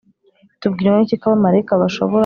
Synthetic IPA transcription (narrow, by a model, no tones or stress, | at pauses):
tub̚ɡiːɾamanicikaβamaɾekaβaʃo̰βoɾ